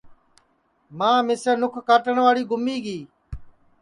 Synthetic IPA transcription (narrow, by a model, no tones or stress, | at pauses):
mãːmɪsəɾnʊkʰkaːʈəɳʋaːɽiːɡʊmiːɡiː